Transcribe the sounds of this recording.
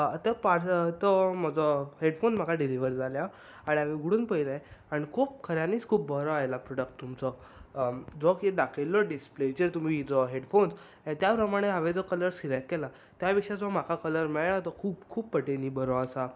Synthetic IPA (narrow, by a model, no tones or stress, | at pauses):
t̪əpaɾt̪ɔməd͡zɔɦeɽfonsm̤akaɖiliʋəɾd͡zʱalja | aɽiɦaʋeɡuɽuːnpəilaeaɽ̃ikʰuːp̚kʰəɾjãniːt͡skʰuːp̚bəɾɔajlapɾɔɽək̚ʈt̪ːumt͡sɔ | d͡zɔkeɖakʰelːɔɖispled͡ʑeɾt̪um̤iːd͡zɔɦeɽfons | ɦet̪japɾəmaɽ̃eɦaʋed͡zɔkələɾsiɾekkɛla | t̪japikʂad͡zɔm̤akʰakələɾmɛɭnat̪əkʰuːbkʰuːppːəʈeniːbəɾɔəsa